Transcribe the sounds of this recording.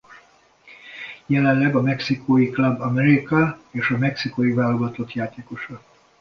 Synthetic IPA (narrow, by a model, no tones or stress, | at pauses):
jɛlɛnlɛɡɒmɛksikʰoːjiklɒbːɒmɛɾikɒeːʃɒmɛksikojivaːlːoɡɒt̪o̞t̪jaːt̪eːko̞ʃɒ